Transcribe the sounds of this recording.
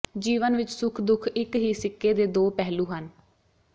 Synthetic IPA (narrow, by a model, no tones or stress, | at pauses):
d͡ʒiːʋənʋɪt͡ʃsʊkʰd̪ʊkʰɪkɦiːsɪkːeːd̪eːd̪oːpɛɦluːɦən